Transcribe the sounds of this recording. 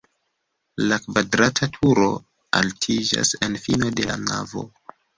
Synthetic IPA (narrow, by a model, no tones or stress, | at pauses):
lakvadɾatʰatʰuɾo̞ | altʰid͡ʒa̰senfino̞de̞la̰na̰vo̞̰